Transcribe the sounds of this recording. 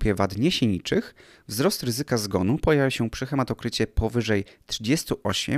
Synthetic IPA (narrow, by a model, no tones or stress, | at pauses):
pʲjɛvad̪ɲɛɕiɲit͡ʂɘx | vzɾɔst̪ɾɘzɘkazɡɔnupɔjavʲjaɕɛpʂɘxɛmat̪ɔkɾɘt͡ɕɛpʰɔvɘʐɛjt̪ʂɘd͡ʑɛst̪uʔɔɕɛ̰